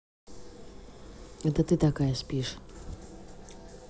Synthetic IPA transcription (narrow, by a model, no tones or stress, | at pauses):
ɣɛt̪ɐt̪ɨt̪akajɐsʲpʲiʂ